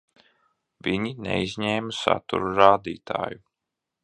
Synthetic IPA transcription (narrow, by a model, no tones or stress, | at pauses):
viɲinḛizʲɲeːmasa̰t̪ṵɾuɾaːd̪iːt̪a̰ːju